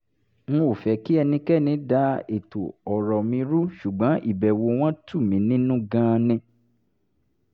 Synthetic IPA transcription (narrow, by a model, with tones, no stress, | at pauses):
ŋũ˦o˨fɛ˨ki˦ɛ˧nĩ˧kɛ˦˨nĩ˨˦da˨˦e˨to˨ɔ˨ɾɔ˨mĩ˧ɾu˦ʃu˨ɡ͡bã˨˦ʔḭ˦˨bɛ˨wo˧w̃ɔ̃˦tu˦˨mĩ˨˦nĩ˦nũ˦ɡã˧nĩ˧